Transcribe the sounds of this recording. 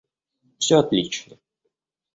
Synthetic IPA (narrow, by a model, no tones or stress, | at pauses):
fsʲoɐt̪lʲit͡ɕnə